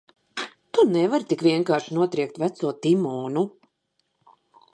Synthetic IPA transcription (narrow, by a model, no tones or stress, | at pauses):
t̪unɛvaɾt̪ikvʲiɛŋkaːɾʃinuɔt̪ɾiɛk̚t̪væt̪suɔt̪imɔːnu